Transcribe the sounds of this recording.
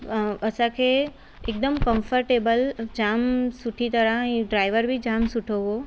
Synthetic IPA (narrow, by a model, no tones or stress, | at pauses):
əsãkʰe | ek̚d̪əmkə̃mfʰəɾʈeːbəld͡ʒaːmsʊʈʰit̪əɾaĩɖɾaːɪʋəɾbʱid͡ʒaːmsʊʈʰoɦo